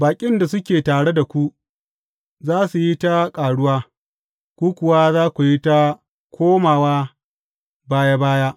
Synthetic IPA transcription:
baː˨kʲʼɪ˦nda˨sʊ˦kʲeː˨taː˨ɽe˦da˨kʷu˦ | zaː˦su˨ji˦ta˦kʼaː˨ɽʊ˦waː˦ | kʷuː˦kʷʊ˨waː˦zaː˦kʷu˨ji˦ta˦ | kʷʰoː˦maː˨waː˦ | baː˦ja˦baː˦jaː˦

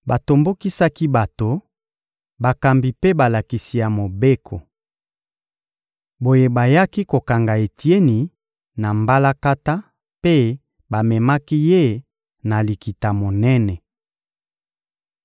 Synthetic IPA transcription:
ba˨to˨mbo˦ki˦sa˦ki˦ba˨to˨ | ba˨ka˨mbi˨pe˦ba˨la˨ki˨si˨ja˨mo˨be˦kʰo˨ | bo˨je˦ba˨ja˦ki˦ko˨ka˨ŋɡa˨e˨ti˦e˦ni˨ | na˨mba˦la˦ka˦ta˦ | pe˦ | ba˨mɛ˨ma˦ki˦je˦ | na˨li˨ki˨ta˨mo˨nɛ˦nɛ˨

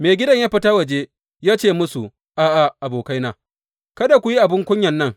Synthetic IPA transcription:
meː˨ɡʲɪ˦dɐ˦˨ɲjaː˦ɸɪ˨taː˦wɐ˨d͡ʒeː˦ | jaː˦t͡ʃeː˦˨mʊ˦su˨ | ʔaː˨ʔa˨ʔa˨boː˨ka˦jnaː˦ | kɐ˦da˨kʷu˨ji˦ʔa˨bɪ˦ŋkʷʊ˦ɲjɐ˨nːɐ˦ŋ

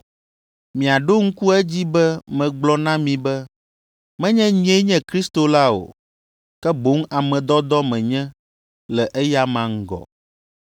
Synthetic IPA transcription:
mĩ˨a˨ɖo˦ŋ̩˦ku˦ɛ˦d͡ʑi˦bɛ˦mɛ̃˨ɡ͡blɔ˦nã˦mĩ˨bɛ˦ | mɛ̃˦ɲɛ̃˦ɲe˦ɲɛ̃˦kɾi˦st̪o˨la˦o̰˨ | kɛ˦bo˨˦ŋa˨mɛ̃˨d̪ɔ˦d̪ɔ˦mɛ̃˨ɲɛ̃˦ | lɛ˨ʔɛ˦ja˦mã˨ŋ̩˦ɡɔ̰˨

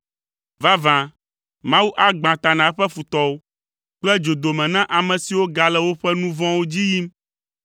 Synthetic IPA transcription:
va˦vã˨ | mã˦wu˦ʔa˦ɡ͡bã˨t̪a˨nã˨˦ɸɛ˦fu˨t̪ɔ˦wo˦ | k͡plɛ˦d͡ʒo˨d̪o˨mɛ̃˨nã˦ʔa˨mɛ̃˨si˨wo˦ɡa˨lɛ˦wo˦ɸɛ˦nũ˦vɔ̃˦wo˦d͡ʑi˦ji˦m

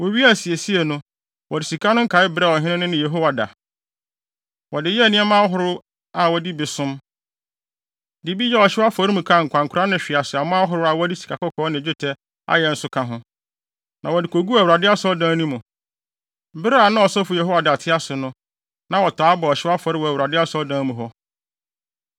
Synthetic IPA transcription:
wo˨ɥi˦a˦˨si˨e˨si˦ɛ˨nʊ̃˦ | wɔ˨dɪ˨si˨kʰa˦nʊ̃˦ŋ̩˦kʰa˨˦ɪ˦bɾɛ˦˨wɔ˨ɦɪ̃˦nɪ̃˦nʊ̃˦nɪ̃˦je˨ɦo˦wa˨da̰˨ | wɔ˨dɪ˨jɛ˦˨nɪ̃˦ɛ˦mã˦ɦʊ˦ɾʊ˦ | a˨wɔ˨di˦bɪ˨sʊ̃˦m | di˨bi˦jɛ˦ɔ˨ɕɪ˦a˦fɔ˨˦ɾi˦mũ˨kʰã˦˨ŋ̩˨kʷʰã˨ŋ̩˨kʰʊ˨ɾa˦nɪ̃˨ɕᶣɪ˨a˨sɪ˨a˨mãː˦ɦʊ˨ɾʊ˦a˨wɔ˦di˦si̥˨kʰa˨kɔ˦kʰɔː˨˦nɪ̃˨d͡ʑᶣɪ˦tʰɛ˦ | a̰˦jɛ˨n̩˦sʊ˦kʰã˨ɦʊ̃˦ | nã˨wɔ˨dɪ˨kʰo˨ɡu˦æ˨wu˨ɾa˨dɪ˦a˦sɔ˦dãː˨˦nũ˦mʊ̃˨ | bɪ˦ɾa˦˨nã˦ɔ˨sɔ˦fʊ˨jɛ˨ɦo˦wa˨dɪ˨a˨tʰɪ˦a˦sʊ˨nʊ̃˦ | nã˨wɔ˨tʰaː˨˦bɔ˨ɔ˨ɕɪ˦a˦fɔ˨ɾɪ˦wɔ˨æ˨u˨ɾa˨dɪ˦a˦sɔ˦dãː˨˦mũ˨ɦɔ˦

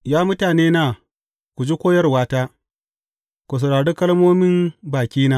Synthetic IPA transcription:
jaː˦mʊ˦taː˨neː˦naː˨ | kʷu˨d͡ʒi˦kʷoː˦jɐ˦rwaː˦taː˦ | kʷu˨s̬ɐ˨ɽaː˨ɽe˦kɐ˦lmoː˦mɪ˦mbaː˨kʲiː˦naː˦

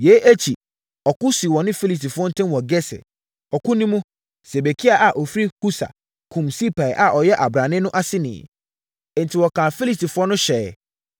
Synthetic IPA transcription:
je˨˦ʔæ˦t͡ɕʰi˨ | ɔ˨kʊ˦si˨wɔ̃˨nɪ̃˦fi˦li˨s̬ti˨fʊ˦ɔ˦n̩˦tʰɪ̃˦nwɔ˨ɡɛ˦sɛ̰˨ | ɔ˨kʊ̃˦nĩ˦mũ˦ | se˨be˨kʰi˦a˨ʔa˨ʔɔ˨fɾi˦hu˦sa̰˨ | kʰũ˨msi˦pʰa˨ɛ˨ʔa˨ʔɔ˨jɛ˦ʔa˨bɾa˨nɪ̃˦nʊ̃˦ʔa˦sɪ˦nɪ̰̃˨˦ | n̩˨tʰi˨wɔ˨kʰã˨fi˦li˨sti˨fʊ˦ɔ˦nʊ̃˦ɕɛ˨

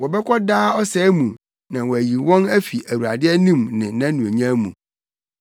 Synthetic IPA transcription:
wɔ˨bɛ˦kʰʷɔ˦daː˦ɔ˦sɛ˦mũ˨ | nã˨wɔ˨æ˨ji˨wɔ̃˦næ˦fi˨ʔæ˨wu˨ɾa̰˨dɪ˦ɛ˦nĩ˦mnɪ̃˨nã˦nũ˨e˨ɲã˦mũ˨

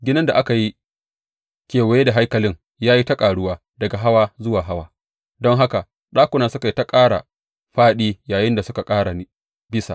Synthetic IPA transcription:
ɡʲɪ˦nɐ˦nda˨ʔa˦ka˨ji˦ | kʲeː˨wa˨jeː˦da˨ɦa˦jkɐ˨lɪ˦ŋ | jaː˦ji˦tɐ˦kʼaː˨ɽʊ˦waː˦ | dɐ˨ɡa˨ɦa˦waː˦zʊ˦waː˨ɦa˦waː˦ | dɔ˦ŋɦa˦ka˨ | ɗaː˦kʷʊ˨naː˨sʊ˦ka˨i˦ta˦kʼaː˦ɽa̰˨ | ɸaː˦ɗiː˦jaː˨jɪ˦nda˨sʊ˦ka˨kʼaː˦ɽa˨˦ | bɪ˦sa̰˨

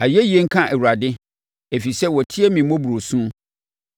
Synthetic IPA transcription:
a˨jɛ˦ji˨e˦ŋ̩˦kʰã˦ʔɛ˨wu˨ɾa˨dɪ˦ | e˨fi˨sɛ˦wɔ˨tʰɪ˦ɛ˦mĩ˨˦mɔ̃˦bu˨ɾo˨sũ˦

